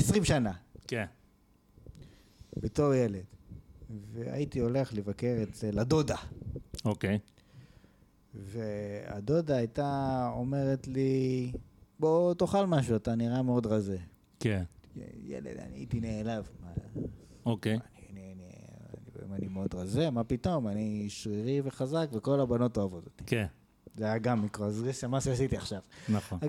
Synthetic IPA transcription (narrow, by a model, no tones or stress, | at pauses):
esʁimʃanaken | beto̞ʁjele̞d | vea̰itio̞le̞χlevakeʁet̪elado̞daokej | vea̰do̞daːjtaome̞ʁetli | botoχalmaʃuataniʁameo̞dʁaze | ken̰jḛlḛd̪a̰nitineːlavma | okejanianinea̰nibḛḭmanimeo̞d̪ʁazemapit̪o̞maniʃʁiʁive̞χazakveko̞labano̞toavot̪ot̪i̥ken | zeajaɡamːikʁoazeʃemaʃeasit̪iaχʃavnaχon